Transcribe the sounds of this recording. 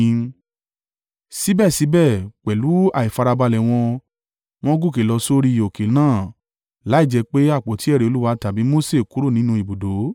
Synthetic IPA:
si˨˦bɛ˦˨si˨˦bɛ˦˨k͡pɛ˨lu˨˦a˨i˨fa˧ɾa˧ba˧lɛ˨w̃ɔ̃˧ | w̃ɔ̃˦ɡu˦˨ke˨lɔ˧so˦ɾi˦˨o˨ke˨nãː˦˨ | la˨˦i˦˨d͡ʒɛ˧k͡pe˦a˦˨k͡po˨˦ti˨˦ɛ˦˨ɾe˨o˧lu˦wa˧ta˨bi˨˦mo˦se˦˨ku˨˦ɾo˦˨nĩ˨˦nũ˧i˨bu˨do˨˦

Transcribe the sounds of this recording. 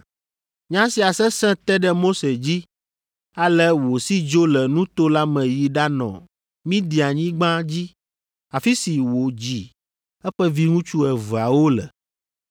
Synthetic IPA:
ɲã˦si˨a˨sɛ˦sɛ̃˦t̪ɛ˦ɖɛ˦mo˦se˨d͡ʑi˦ | a˨lɛ˦wo˨si˦d͡ʒo˦lɛ˨nũ˦t̪o˦la˦mɛ̃˨ji˨ɖa˦nɔ̰̃˨ | mĩ˦d̪i˨a˨ɲĩ˦ɡ͡bã˦d͡ʑi˦ | a˨fi˦si˨wo˨d͡ʑi˨ | ɛ˦ɸɛ˦vi˦ŋũ˦t͡ʃu˦ɛ˨va˨wo˦lɛ̰˨

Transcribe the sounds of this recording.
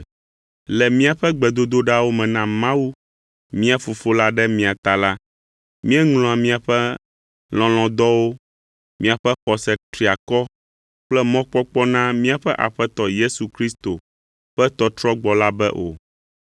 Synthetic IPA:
lɛ˨mĩ˦a˨ɸɛ˦ɡ͡bɛ˨d̪o˦d̪o˦ɖa˦wo˦mɛ̃˨nã˦mã˦wu˦ | mĩ˦a˦fo˨fo˦la˦ɖɛ˦mĩ˦˨a˨t̪a˨la˦ | mĩ˦ɛ˦ŋlɔ̃˨a˨mĩ˦a˨ɸɛ˦ | l̃ɔ̃˨l̃ɔ̃˨d̪ɔ˦wo˦ | mĩ˦a˨ɸɛ˦ɸɔ˨sɛ˨t̪ɾi˨a˨kɔ˦ | k͡plɛ˦mɔ̃˦k͡pɔ˦k͡pɔ˦nã˦mĩ˦a˨ɸɛ˦ʔa̰˨ɸɛ˦t̪ɔ˦je˦su˨kɾi˦st̪o˨ | ɸɛ˦t̪ɔ˦t̪ɾɔ˦ɡ͡bɔ˨la˦bɛ˦ʔo̰˨

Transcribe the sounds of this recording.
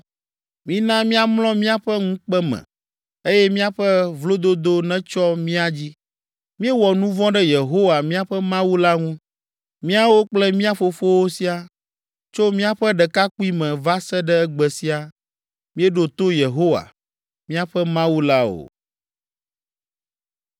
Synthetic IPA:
mĩ˦nã˦mĩ˦a˦mlɔ̃˦mĩ˦a˦ɸɛ˦ŋũ˦k͡pɛ˦mɛ̰̃˨ | e˦jɛ˦mĩ˦a˦ɸɛ˦vlo˦d̪o˦d̪o˦nɛ̃˦t͡ʃɔ˦mĩ˦a˦d͡ʑi˦ | mĩ˦ɛ˦wɔ˨nũ˦vɔ̃˦ɖɛ˦je˨ɦo˦wa˨mĩ˦a˦ɸɛ˦mã˦wu˦la˦ŋũ˦ | mĩ˦a˦wo˦k͡plɛ˦mĩ˦a˦fo˨fo˦wo˦si˦a˦ | t͡ʃo˦mĩ˦a˦ɸɛ˦ɖɛ˨ka˦k͡pu˦i˦mɛ̃˨va˦sɛ˦ɖɛ˦ɛ˦ɡ͡bɛ˨si˦a˨ | mĩ˦ɛ˦ɖo˨t̪o˦je˨ɦo˦wa̰˨ | mĩ˦a˦ɸɛ˦mã˦wu˦la˦o̰˨

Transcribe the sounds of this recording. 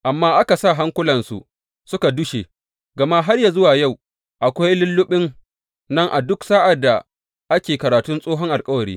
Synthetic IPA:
ʔa˨mːaː˦ʔa˦ka˨sa˦˨ɦa˦ŋkʷʊ˦lɐ˨nsṵ˨ | sʊ˦ka˨dʊ˦ʃḛ˨ | ɡɐ˨ma˦ɦa˦rja˨zʊ˦waː˨ja˦˨w | ʔa˨kʷa˦jlʊ˦lːʊ˦ɓɪ˦ŋ | nɐ˦ŋʔa˨dʊ˦ksaː˦ʔa˨dːa˨ | ʔa˦kʲeː˨kɐ˨ɾaː˨tʊ˦nsʼoː˦ɦɔ˦ŋʔa˨lkʼɐ˦wɐ˨ɾiː˦

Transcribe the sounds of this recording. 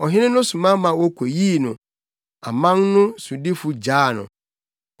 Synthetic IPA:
ɔ˨ɦɪ̃˦nɪ̃˦nʊ̃˦su˨mã˦mã˨wɔ˦kʷʰo˨jiː˦˨nʊ̃˨ | a̰˨mã˦nnʊ̃˦su˨di˦fʊ˨d͡ʑaː˦˨nʊ̰̃˨

